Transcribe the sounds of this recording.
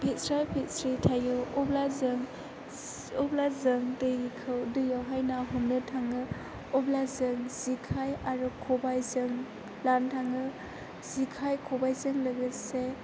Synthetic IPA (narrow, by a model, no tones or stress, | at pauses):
pʰet̚sɾajpʰet̚sɾitʰajɯɔblazɯŋ | ɔblazɯŋdɯjkʰɯwdɯjawɦajnaɦumnɯtʰaŋɯ | ɔblazɯŋz̥ikʰajaɾukʰɔbajzɯŋ | lantʰaŋɯ | z̥ikʰajkʰɔbajzɯŋlɐɡɯse